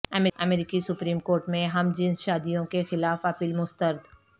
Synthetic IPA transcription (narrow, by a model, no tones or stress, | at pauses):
ɐmɐmeːɾiːkisʊpɾiːmkoːɾʈmẽɦɐmd͡ʒɪ̃nsʃaːd̪ijõkexɪlaːfɐpiːlmʊst̪əɾd̪